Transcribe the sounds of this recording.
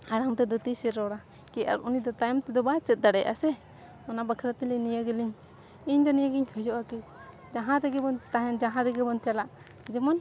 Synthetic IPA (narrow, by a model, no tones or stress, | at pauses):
aɽaŋt̪ɛd̪ɔt̪isɛɾɔɽa | kɛʔa̰ɾunid̪ɔt̪ajmt̪ɛd̪ɔbat͡ʃɛt̪̚d̪aɽɛjʔa̰sɛ | ɔnabakʰɾat̪ilɛɲnijaɡɛliɲ | iɲd̪ɔnijaɡiɲhʰɔjɔʔaki | d͡ʒaɦãɾɛɡɛbɔnt̪aɛnd͡ʒaɦãɾɛɡɛbɔnt͡ʃalaʔ | d͡ʒɛmɔn